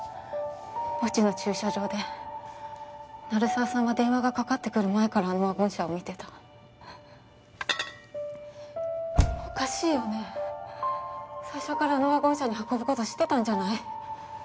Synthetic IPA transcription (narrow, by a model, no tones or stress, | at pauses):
ot͡ɕino̞t͡ɕɨːɕaʑo̞ːd̪e̞ | naɾɯ̟saːsãɰ̃βad̪ẽ̞ɰ̃βaɡakakat̪ːe̞̥kɯ̟ɾɯ̟mae̞kaɾano̞aɡõ̞ɰ̃ɕaomʲit̪e̞t̪ḁ | okaɕiːjo̞ne̞ | saiɕo̞kaɾanoβaɡõ̞ɰ̃ɕaɲ̟ihako̞bɯ̟ko̞t̪o̞ɕi̥t̪ːe̞t̪ãɲ̟d͡ʑanai